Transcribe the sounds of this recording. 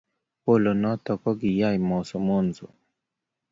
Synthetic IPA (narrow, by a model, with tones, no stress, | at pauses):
po˦˨lo˨nɔ˦tɔ˨kɔ˦ɡi˨ja˦˨jmɔ˨sɔ˨mo˦˨n˨zo̰˨